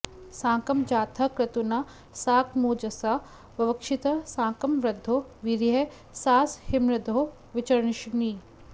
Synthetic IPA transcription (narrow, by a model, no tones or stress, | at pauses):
sãːŋkɐmd͡ʒaːt̪ʰɐkɾɐt̪unɐ | saːkmoːd͡ʒɐsɐ | ʋɐʋɐkʃit̪ɐsãːkɐmʋɾɐd̪ʱːoʋiɾiɦɐ | saːshɪmɾɐd̪ʱo | ʋɪt͡ʃɐɾɳiʃniː